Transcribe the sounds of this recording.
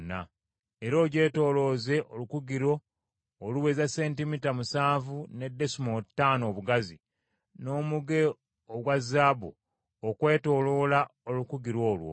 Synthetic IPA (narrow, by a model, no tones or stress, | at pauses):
na̰ | eɾo̞ːɟe̞ːto̞ːlo̞ːze̞ʔolukuɡiɾo̞ː | luwezase̞ːntimitamusaːvune̞dːe̞sumotːaːno̞ːβuɡazi | no̞ːmuɡe | oɡwazːaːbu | okwe̞ːto̞ːlo̞ːlaolukuɡiɾwo̞ːlwo̰